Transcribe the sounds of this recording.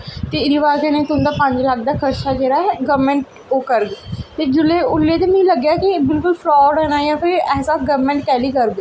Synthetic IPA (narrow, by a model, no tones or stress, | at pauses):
t̪eːɪɾiʋaːkenẽːt̪ʊ̃nd̪aːpə̃ɲd͡ʒlak̚ʰd̪aːkʰəɾt͡ʃaːd͡ʒeːɾaːɛɡəʋmɛ̃ɳʈ̚ | oːkəɾɡt̪eːd͡ʒʊlːeːʊlːeːt̪eːmɛ̃ĩləɡjaːkibɪlkʊlpʰɾɔːɖɦɛːnaːjãːpʰɪɾɛːsaːɡəʋmɛ̃ɳʈ̚kɛːliːkəɾb̪e